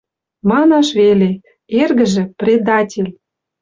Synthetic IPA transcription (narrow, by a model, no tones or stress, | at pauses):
mɑnɑʃβele | erɣə̆ʒĕprʲed̪ɑtʲelʲ